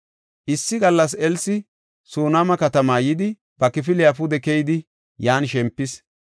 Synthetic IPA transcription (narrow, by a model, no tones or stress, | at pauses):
ʔɪsːɪɡɐlːɐs̬ɛlsɪ | soːnamɐkɐt̪ɐmaːjɪd̪ɪ | b̥ɐkɪfɪlɪjafʊd̪ɛkɛjd̪ɪ | jaːnʃɛmpːɪs